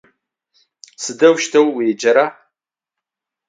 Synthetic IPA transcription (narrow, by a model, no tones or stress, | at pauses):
sɨdɐwʃtʰɐwːed͡ʒɐɾa